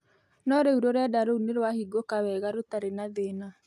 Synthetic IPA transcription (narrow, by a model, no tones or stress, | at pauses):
nɔɾeuɾɔɾeadaɾouneɾwahiɡokawɛɣaɾotaɾenaðeːna